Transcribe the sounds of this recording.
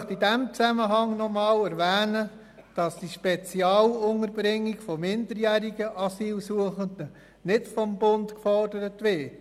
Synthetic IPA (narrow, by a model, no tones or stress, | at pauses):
χtidæmt͡sæməɦɑŋnɔmɑːlæɾʋæːnə | d̥ɑsd̥iʃpɛt͡siɑːlʊnəɾb̥ɾɪŋːiɡfɔmɪndəɾjæːɾiɡəʔɑsiːlsuəχəndə | nɪtfɔmbʊntkfɔɾdəɾətʋɪt